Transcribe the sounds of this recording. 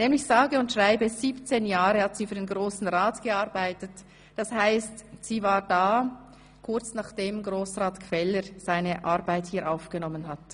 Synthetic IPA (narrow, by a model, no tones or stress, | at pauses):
nɛːmlɪçz̥aːɡəʊntʃʁ̥aɪbəziːpt͡seːnjaːʁəhatz̥iːfyːɐdeːnɡʁoːsn̩ʁaːtɡ̥əaɾbaɪtət | d̥ashaɪstz̥iːvaːɾdaː | kʰʊɐt͡snaχd̥eːmɡʁoːsʁaːtkʰv̥ɛləɾz̥aɪnəʔaɾbaɪthiːɾʔaʊfɡ̥ənɔmənɦat